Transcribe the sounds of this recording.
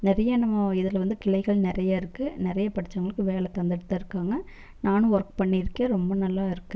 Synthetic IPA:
nɪɾɐjɐnɐmːɐɪðɪlʋɐnd̪ɯkɪlɐɪɣɐɭnɪɾɐjaɪɾɯkːɯnɪɾɐjɐpɐɽɪt͡ʃːɐŋɡɐɭɯkːɯʋeːɭɛkɐnd̪ɐɽɯt̪ːɐɪɾɯkːaːŋɡɐ | naːnɯ̃ʋɔɾkpɐɳːiɾɯkːeɾɔmbɐnɐlːaːɪɾɯkːɯ

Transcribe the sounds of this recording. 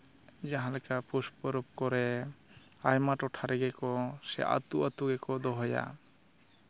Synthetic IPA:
d͡ʒaɦãlɛkapuspɔɾɔp̚kɔɾɛ | ajmaʈɔʈʰaɾɛɡɛkɔsɛ̰ʔa̰t̪uʔat̪uɡɛkɔd̪ɔɦɔja̰

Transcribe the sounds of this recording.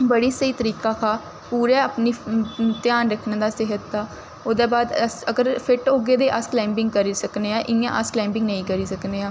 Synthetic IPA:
bəɽiːsəiːt̪əɾiːkaːkʰaː | puːɾɛːaːpniːt̪ɪjaːnɾəkʰnãːd̪aːsɪɦət̪ːaː | oːd̪eːbaːd̪əsəɡəɾpʰɪʈoːɡeːd̪eːʔasklɛ̃ːmbɪ̃ŋɡkəɾiːsəkneːaːʔɪã̰ːʔəsklɛ̃ːmbɪ̃ŋɡnəĩːkəɾiːsəkneːaː

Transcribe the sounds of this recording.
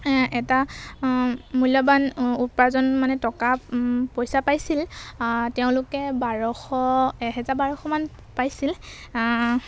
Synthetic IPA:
ɛta | mujlɔbanupaɹzɔnmanɛtɔkapojsapajsilteʊ̃lʊkɛbaɹɔxɔɛɦɛzabaɹɔxɔman | pajsil

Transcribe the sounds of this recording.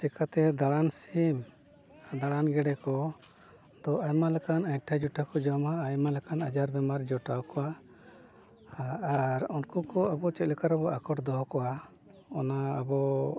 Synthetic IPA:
t͡ʃɛkat̪ɛd̪aɽansim | d̪aɽanɡɛɽɛkɔ | d̪̥ɔʔajmalɛkanajʈʰad͡ʒuʈakɔd͡ʒamaːjmalɛkanad͡ʒaɾb̪ɛmaɾd͡ʒɔʈawkɔwa | aaɾɔnkukɔabɔt͡ʃɛt̪̚lɛkaɾabɔʔakɔʈd̪ɔɦɔkɔwa | ɔnaa̰bɔ

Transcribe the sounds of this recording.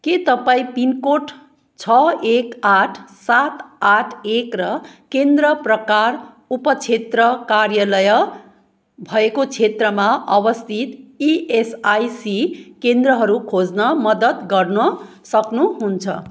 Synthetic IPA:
ket̪ʌpaĩpinkoʈʰ | t͡sʰʌekaʈʰsat̪aʈʰekrʌkend̪rʌprʌkar | upʌt͡sʰet̪rʌkarjʌlʌjʌ | bʱʌekot͡sʰet̪rʌmaʔʌbʌst̪ʰit̪iesajsikend̪ɾʌɦʌɾukʰod͡znʌmʌd̪ʌt̪ɡʌrnʌ | sʌknuɦunt͡sʰʌ̰

